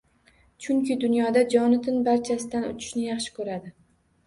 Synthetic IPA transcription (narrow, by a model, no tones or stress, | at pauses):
t͡ʃʰʊŋkʲʰɪd̪ʊnjɒd̪ad͡ʒɒnɪt̪ʰɪnbaɾt͡ʃʰasɪd̪anʊ̰t͡ʃʰɪ̥ʃnɪjɑχʃɪ̥kʰɵɾad̪ɪ